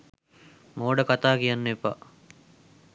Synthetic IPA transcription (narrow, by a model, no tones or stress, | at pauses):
moːɖəkat̪aːkijanːəepa̰